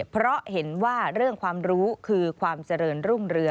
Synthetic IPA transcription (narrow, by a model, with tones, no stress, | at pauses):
pʰɾɔ˦˥he˩˦nwaː˥˩ɾɯ˥˩əŋkʰwaː˧mɾuː˦˥kʰɯː˧kʰwaː˧mt͡ɕa˧ɾɤː˧nɾu˥˩ŋɾɯ˧ə